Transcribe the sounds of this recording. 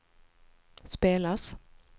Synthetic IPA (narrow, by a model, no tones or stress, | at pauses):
speːlas